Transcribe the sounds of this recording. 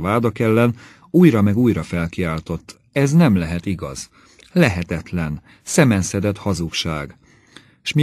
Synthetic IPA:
vaːd̪ɒkɛlːɛn | uːjɾɒmɛɡuːjɾɒfɛlkiaːlt̪o̞t̪ː | ɛznɛmlɛɦɛt̪iɡɒ̰z̥ | lɛɦɛt̪ɛt̪lɛn | sɛmɛnsɛd̪ɛt̪hɒzukʃaːɡ | ʃmi

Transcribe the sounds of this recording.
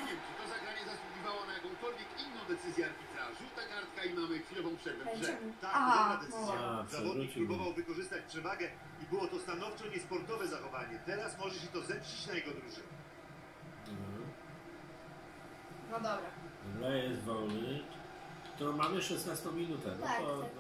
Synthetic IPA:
vʲjɛmtɛt̪ɔzaɡɾaɲɛzasuɡʲivawɔnajakɔ̃w̃kɔlvʲjɛkinːɔ̃w̃d̪ɛt̪sɘzʲjɛaɾvʲid̪zaʐut̪akaɾt̪kaimamɘkfʲilɔvɔ̃w̃pʂɛɛɛt̪akd̪ɔad̪ɛt̪sɘzjapʂabɔɾuiɾubɔvawvɘkɔʐɘst̪at͡ɕpʂɛvaɡɛ | ibɘwɔt̪ɔst̪anɔft͡ʂɔɲɛspɔɾt̪ɔvɛzaxɔvaɲɛt̪ɛɾasmɔʐɛɕɛt̪ɔzɛpɕit͡ɕnajɛɡɔd̪ɾuʐɛɲɛ | nɔd̪ɔbɾalɛjɛzvɔwnɘ | kt̪uɾɔ̃w̃mamɘʂɛsnast̪ɔ̃w̃mʲinut̪ɛ̰nɔt̪ɔ

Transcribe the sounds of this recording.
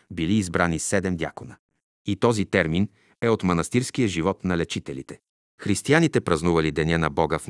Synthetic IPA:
biliːzbɾanisɛd̪ɛmd̪ja̰konə | it̪ɔzit̪ɛɾmin | ɛot̪mɐnɐst̪iɾsk̟ijəʒivɔt̪nɐlɛt͡ʃit̪ɛlit̪ɛ̥ | xɾist̪ianit̪ɛpɾɐznuvɐlid̪ɛnʲɛnɐbɔɡəf

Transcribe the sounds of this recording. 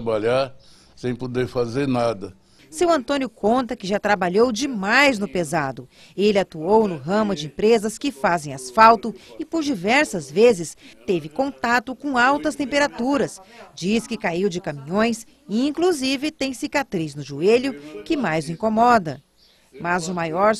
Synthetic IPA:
baʎaɾ | sẽj̃pod̪eɾfazeɾnad̪ɐ | sewɐ̃nt̪õnjʊkõnt̪ɐkɪʒat̪ɾabaʎowd͡ʒɪmajznʊpezad̪ʊ | elɪat̪uownʊɦɐ̃mʊd͡ʒɪẽmpɾezɐskɪfazẽj̃asfawt̪ʊɪpoɾd͡ʒivɛɾsɐzvezɪst̪evɪkõnt̪at̪ʊkõawt̪ɐst̪ẽpeɾat̪uɾɐsd͡ʒiskɪkaiwd͡ʒɪkɐmĩɲõj̃s | ĩŋkluzivɪt̪ẽj̃sikat̪ɾiznʊʒueʎʊkɪmajzʊĩŋkomɔd̪ɐ̰ | mɐzʊmajɔɾ

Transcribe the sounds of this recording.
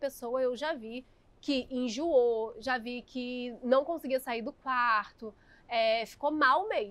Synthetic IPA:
pesowɐewʒavi | kɪʔẽʒuoʒavikɪnɐ̃w̃kõsɪɡiɐsaiɾd̪ʊkwaɾt̪ʊ | ɛfi̥komawme

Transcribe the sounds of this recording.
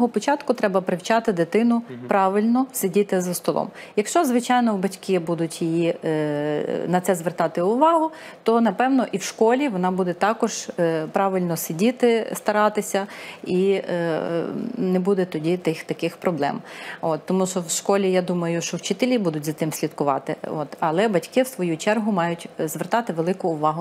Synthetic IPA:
ɦɔpɔt͡ʃɑt̪kʊt̪ɾɛbɐpɾɪwt͡ʃɑt̪ɪd̪et̪ɪnʊpɾɑʋɪlʲnɔsʲedʲit̪ɪzɐst̪ɔlˠɔ̰m | jɐkʃt͡ʃɔzʋɪt͡ʃɑjnɔwbɐtʲkʲibud̪ʊtʲjiji | nɐt̪sɛzʋert̪ɑt̪ɪʊʋɑɦʊ | t̪ɔnɐpɛwnɔʔiwʃkɔlʲiʋɔnɑbud̪ɛt̪ɑkɔʒpɾɑʋɪlʲnɔsɪdʲit̪ɪst̪ɐɾɑt̪ɪsʲɐi | nɛbud̪ɛt̪ɔdʲit̪ɪxt̪ɐkɪxpɾɔblˠɛ̰mɔt̪ːɔmuʃɔwʃkɔlʲijad̪umɐjʊʃt͡ʃɔwt͡ʃɪt̪elʲibud̪ʊtʲzɐt̪ɪmsʲlʲid̪kʊʋɑt̪ɪ̰ɔt̪ɐlˠɛbɐtʲkɪwsʋɔjut͡ʃɛrɦʊmɑjʊtʲzʋert̪ɑt̪ɪʋelˠɪkʊːʋɑɦʊ

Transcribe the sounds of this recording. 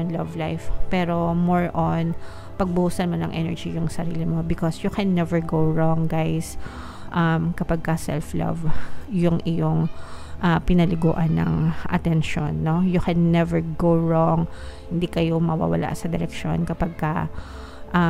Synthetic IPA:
ɔnlɐvlajfpɛːɾo̞moɹʔon | pɐɡ̚bʊhusɐnmɐnɐŋʔɛ̰nɛɹd͡ʒijʊŋsɐɾḭːlɪmo̞bɪkosjʊkɛnːɛvɛɹɡowɹɔŋɡajs | ʔɐmkɐpɐɡ̚kɐsɛ̰lflɐ̰vjʊŋʔɪjoŋʔɐpɪnɐlɪɡo̰ːʔɐnːɐ̰ŋʔɐ̰t̪ɛnʃo̰nːojʊkɛnːɛvɛɹɡowɹoŋhɪnd̪ikɐjo̞mɐwa̰wɐ̰lʔa̰ʔsɐd̪ɛɾɛkʃo̞̰nkɐpɐɡ̚kɐ | ʔɐ

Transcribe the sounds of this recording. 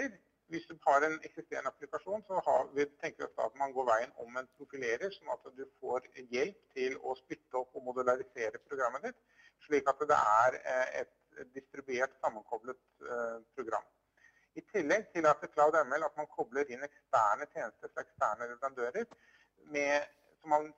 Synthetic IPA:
əɾ | ʋɪsd̪ʉhɑɾɛnɛksɪst̪eːɾəɳəɑplɪkɑʂuːnsɔhɑʋɪt̪ʰɛŋkəʋɪɔft̪əɑ̰t̪mɑnɡoːɾʋæɪənɔ̰mɛnpʰɾʊfɪleːɾəɾʂɔnːɑt̪d̪ʉfoːɾjɛlpt̪ʰɪlɔspɪt̪ːəɔpːɔmʊd̪ʉlɑɾɪseːɾəpʰɾʊɡɾɑmːəd̪ɪt̪ | ʂɭiːkɑt̪d̪ɛ̰æɾɛ̰t̪ | d̪ɪst̪ɾɪbʉeːʈsɑmːənkʰɔblət̪pʰɾʊɡɾɑ̰mː | ɪt̪ʰɪlːɛɡt̪ʰɪlɑt̪d̪ɛkʰlɑʊd̪ɛmɛlɑt̪mɑnkʰɔbləɾɪnːɛkst̪æːɳət̪ʰjeːnəst̪əɾɛlɛkst̪æːɳəɾɛʋɾɑnd̪øːɾəɾ | mɛ | sɔmːɑn

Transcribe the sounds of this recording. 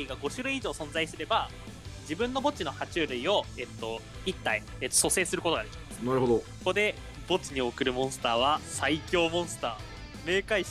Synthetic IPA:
iɡaɡo̞ɕɨɾɯ̟iiʑo̞ːsõ̞nzaisɨɾe̞ba | d͡ʑibɯ̟̃nːo̞bo̞t͡ɕino̞hat͡ɕɨːɾɯ̟io̞e̞t̪ːo̞ | it̪ːai | et̪ːoso̞se̞ːsɨɾɯko̞t̪oɡad̪e̞kʲimasɨ̥naɾɯɦod̪okokod̪e̞ | bo̞t͡ɕiɲ̟io̞kɯ̟ɾɯ̟mõ̞ɰ̃sɨ̥t̪aːβ̞asaikʲo̞ːmõ̞ɰ̃sɨ̥t̪aː | me̞ːkai

